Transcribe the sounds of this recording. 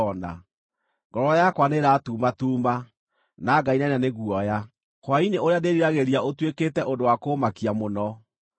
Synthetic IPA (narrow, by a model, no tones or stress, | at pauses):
ɔna̰ | ŋɡɔɾɔjakwaneɾaːtuːmatuːma | naɡainananeɣuɔja | kwaineoɾeadeɾiɾaɣeɾiaotweketɛʔondowakoːmakiamonɔ